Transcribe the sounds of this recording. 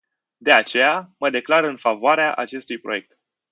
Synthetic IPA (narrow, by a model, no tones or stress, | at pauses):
d̪e̞at͡ʃe̞jaməd̪e̞klaɾɨnfavoaɾeaʔa̰t͡ʃe̞st̪ujpɾo̞̰je̞k̚t̪